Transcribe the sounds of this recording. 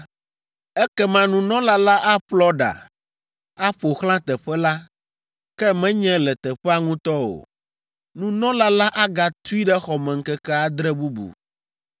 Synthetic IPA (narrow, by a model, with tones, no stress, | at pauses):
ɛ˦kɛ˦mã˦nũ˨nɔ̃˦la˦la˦ʔa˦ɸlɔ˦ɖa̰˨ | a˦ɸo˨xlã˦t̪ɛ˨ɸɛ˦la˦ | kɛ˦mɛ̃˦ɲɛ̃˦lɛ˨t̪ɛ˨ɸɛ˦a˦ŋũ˦t̪ɔ˦o̰˨ | nũ˦nɔ̃˦la˦la˦ʔa˦ɡa˨t̪u˦i˦ɖɛ˦xɔ˨mɛ̃˨ŋ̩˦kɛ˦kɛ˦a˦d̪ɾɛ˦bu˦bṵ˨